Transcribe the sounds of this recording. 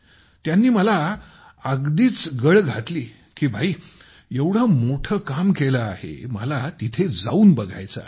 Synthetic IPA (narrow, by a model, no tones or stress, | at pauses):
t̪janːiːməla | aɡd̪iːt͡sɡəɭɡʱat̪liː | kiːbʱaiː | jewɽ̤əmoʈʰəːkamkeləahḛməlat̪it̪ʰed͡zauːnbəɡʱa̰jt͡sa̰